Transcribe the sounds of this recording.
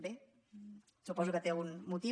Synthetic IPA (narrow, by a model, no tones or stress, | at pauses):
be | supɔzukət̪eunmut̪i